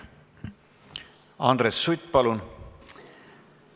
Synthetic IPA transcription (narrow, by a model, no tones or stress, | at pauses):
ɑ̰nd̪̥ɾesːut̪ːˑpɑlun